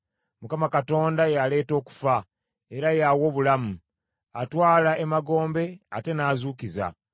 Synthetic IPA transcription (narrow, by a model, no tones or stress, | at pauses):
mukamakato̞ːndajale̞ːto̞ːku̥fa | e̞ɾajawo̞βulamu | atwaːlaʔemaɡo̞ːmbe̞ate̞naːzuːkiza̰